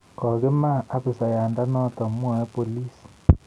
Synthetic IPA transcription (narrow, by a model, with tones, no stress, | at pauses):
kɔ˨kɪ˦ma˦˨a˦pɪ˨sa˨ja˨nda˦nɔ˦tɔ˨mwɔ˦ɛ˦po˨li˦s